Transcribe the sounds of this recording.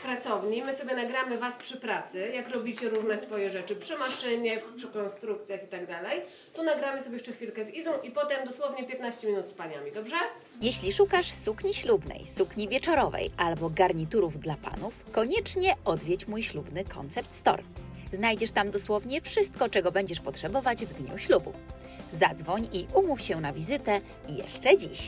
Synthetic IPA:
pɾat̪sɔvɲimɘsɔbʲjɛnaɡɾamɘvaspʂɘpɾat̪sɘjakɾɔbʲit͡ɕɛɾuʐnɛsfɔjɛʐɛt͡ʂɘpʂɘmaʂɘɲɛfpʂɘkɔnst̪ɾukt̪sʲjaxit̪aɡd̪alɛj | t̪unaɡɾamɘsɔbʲjɛʂt͡ʂɛxfʲilkɛzizɔ̃w̃ʔipɔt̪ɛmd̪ɔswɔvɲɛpʲjɛt̪naɕt͡ɕɛmʲinut̪spaɲa̰mʲid̪ɔbʐɛ | jeɕlʲiʂukaʂsukɲiɕlubnɛ̰jsukɲivʲjɛt͡ʂɔɾɔvɛ̰jalbɔɡaɾɲit̪uɾuvd̪lapa̰nufkɔɲɛt͡ʂɲɛɔd̪vʲjɛt͡ɕmujɕlubnɘkʰɔ̰nt̪sɛp̚t̪st̪ɔ̰ɾ | znajd͡ʑɛʂt̪amd̪ɔswɔvɲɛfʂɘst̪̚kɔt͡ʂɛɡɔbɛɲd͡ʑɛʂpɔtʂɛbɔvad͡ʑvd̪ɲṵɕlubṵ | zad̪zvɔɲiʔumufɕɛnavʲizɘt̪ɛ | jɛ̰ʂt͡ʂɛd͡ʑḭɕ

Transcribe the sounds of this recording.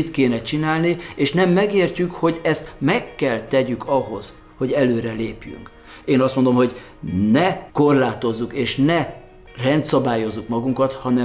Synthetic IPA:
it̪keːnɛt͡ʃinaːlnieːʃnɛmːɛɡeːrcykho̞ɟɛst̪mɛkːɛlt̪ɛɟykʰɒɦo̞z̥ | ho̞ɟɛløːɾɛleːpjy̰ŋk | eːnɒst̪mond̪o̞mɦo̞ɟ | nɛko̞rlaːt̪o̞zːukeːʃnɛ | rɛnt̪sɒbaːjo̞zːukmɒɡuŋkɒt̪hɒnɛ

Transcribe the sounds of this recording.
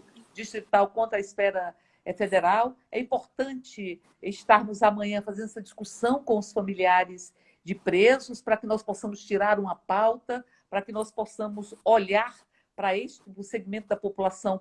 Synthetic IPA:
d͡ʒiʃt̪ɾit̪awkõt̪ɾɐisfɛɾɐ | ɛfed̪eɾawɛ̰ĩpoɾt̪ɐ̃t͡ʃɪ | ɪʃt̪aɾnʊzamɐ̃ɲɐ̃fazẽd̪ɛsɐd͡ʒiskusɐ̃w̃kõʊsfɐmiliaɾɪz | d͡ʒɪpɾezʊspɾɐkɪnɔsposɐ̃mʊst͡ʃiɾaɾũmɐpawt̪ɐ | pɾɐkɪnɔsposɐ̃mʊzoʎaɾ | pɾɐeʃt͡ʃɪɾʊseɡimẽnt̪ʊd̪ɐpopulasɐ̃w̃

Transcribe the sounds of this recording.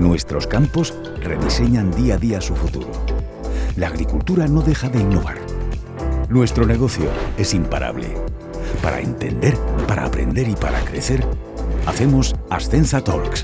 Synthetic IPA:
nwe̞st̪ɾo̞skampo̞s | re̞ðise̞ɲand̪iaðiasufut̪ṵɾo̰ | laːɣ̞ɾikult̪uɾano̞ðe̞xaðe̞inːo̞βaɾ | nwe̞st̪ɾo̞ne̞ɣ̞o̞θjo̞̰e̞simpaɾʔa̰βle̞̰ | paɾa̰ḛnt̪e̞̰nd̪e̞ɾpaɾa̰ːpɾe̞̰nd̪e̞ɾipaɾa̰kɾe̞θe̞ɾ | aθe̞mosasθe̞nsat̪oŋks

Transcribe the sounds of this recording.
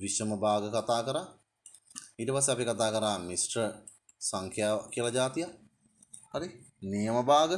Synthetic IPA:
ʋisəməbaːɡəkat̪aːkəɾaː | iːʈəpasːeapikat̪aːkəɾaːmisʈrə | saŋkʰjaːkijəlad͡ʒaːt̪ija | ɐɾinijəməbaːɡə

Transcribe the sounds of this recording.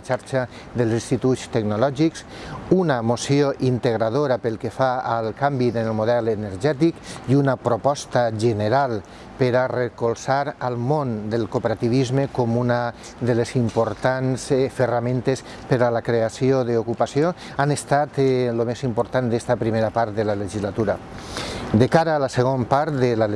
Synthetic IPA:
t͡ʃaɾt͡ʃa | ðəlˠzsinst̪it̪ut̪st̪eɡnolɔʒiks | unamosioʔint̪eɣ̞ɾaðoɾapelˠkefaəlˠkambiðenelmoðɛlenəɾʒɛt̪ikiunapɾopɔst̪aʒəneɾalˠ | peɾarekolˠsaɾəlˠmond̪elˠkopeɾat̪iβ̞izmekomunə | d̪əlesimpoɾt̪ansfəramẽnt̪es | pəɾalakɾeasioðeokupasjo | anest̪at̪lomezimpoɾt̪and̪est̪apɾimeɾapaɾt̪ðelaleʒizlat̪uɾa | d̪ekaɾaːləseɣ̞ompaɾd̪əla

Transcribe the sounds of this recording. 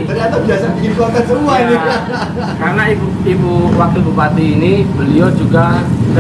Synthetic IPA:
t̪ərɲat̪abiasabikinkuak̪ansəɾuaini | kaɾənaibu | ibuwak̚t̪ubupat̪iːnibəliɔd͡ʒuɡa

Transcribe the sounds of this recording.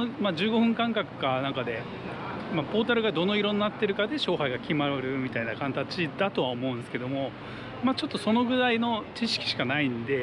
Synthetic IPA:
mad͡ʑɨːɡo̞ɸɯ̟̃ŋkãŋkakɯ̟̥kanãŋkad̪e̞ | mapo̞ːt̪aɾɯ̟ɡad̪o̞no̞iɾo̞nnat̪ːe̞ɾɯ̟kad̪e̞ɕo̞ːɦaiɡakʲimaɾɯ̟mʲit̪ainakãnt̪at͡ɕid̪at̪o̞βao̞mo̞ɯ̃nd̪esɨ̥ke̞d̪o̞mo̞ | mat͡ɕo̞t̪ːo̞so̞no̞ɡɯ̟ɾaino̞t͡ɕiɕi̥kʲi̥ɕi̥kanaĩnd̪e̞

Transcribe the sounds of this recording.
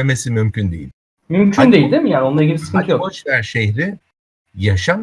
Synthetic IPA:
emesimymcʰynd̪e̞jḭlʲ | mymcʰynd̪eilʲd̪emijaːnio̞nˠaɾɟibisɨ̥kʰɯnt̪ʰɯjoat͡ʃvæɾʃeçɾɪ | jaʃam

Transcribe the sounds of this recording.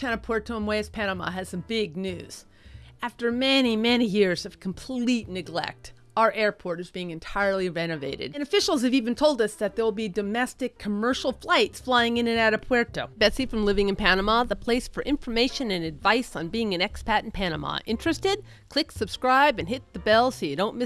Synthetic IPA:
tʰænɨpʰwɛɹtʰoə̃nweɪɨspʰænəmɑ̰ɨz̥sʌ̃mbɪɡ̚nʉz̥ | æftə˞mɛnimɛnijɪɹz̥ʌv̥kʰm̩pʰlitⁿnɨɡlɛ̰k̚t | aʊə˞ʔɛɹpʰɔɹɾɨzbiɪ̃ŋɨ̃ntʰaɪə˞lˠiɹɛñɨveɪɾɨ̰d̥̚ɨ̃nɨfɪʃl̩ˠz̥ɨvivɨ̃n̩tʰoʊlˠdʌsðɨt̪̚ðə˞wl̩ˠbidɨmɛstɨkʰːəmɜ˞ʃl̩ˠflaɪtsflaɪɪ̃ŋɨ̃nɨ̃næɾɨpʰwɛɹtoʊb̥ɛsifɹʌ̃mlɪvɪ̃ŋɨ̃npʰænəmɑðəpʰl̥eɪsfə˞ʔɪ̃ɱfə˞meɪʃɨ̃nɨ̃nɨdvaɪsn̩biɪ̃ŋɨ̃nɛkspʰæɾn̩pʰæñəmɑ̰ʔɪ̃nt͡ʃɹ̥ɨstɪd̚ | kʰl̥ɪksɨb̥skɹaɪbɨ̃nɦɪt̪̚ðɨbɛlˠsojɨɾõʊ̃nmɪ

